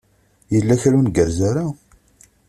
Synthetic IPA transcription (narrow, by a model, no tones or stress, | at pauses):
jəlːæçælunɡəɾzaɾa